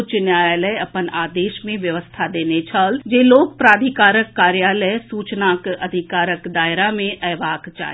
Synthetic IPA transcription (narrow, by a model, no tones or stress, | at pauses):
ʊt͡ʃnjaːjaːləjɐpənaːd̪eːʃmẽʋjɐʋəst̪ʰad̪eːnet͡ʃʰaːld͡ʒeːloːkpɾaːd̪ʱikaːɾəkːaːɾjaːləjsuːt͡ʃnaːkɐd̪ʱɪkaːɾəkd̪aːɪɾamẽʔɛːʋaːkt͡ʃa̰ː